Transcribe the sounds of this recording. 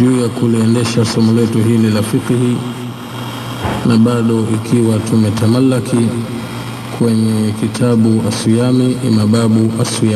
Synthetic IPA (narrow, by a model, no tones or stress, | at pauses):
ʄuːjakuliɛndɛʃasɔmulɛtuɦililafiqihi | naɓaɗɔʔikʰiwatʰumɛtamalːakʰi | kʰwɛɲɛkitʰaɓuasujamiʔḭmaɓaɓuʔasuja